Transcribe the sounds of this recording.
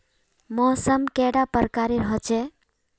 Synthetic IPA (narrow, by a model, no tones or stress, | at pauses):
mɔsəmkɛɽapəɾkaɾeɾʌɦɔt͡ʃʰɛ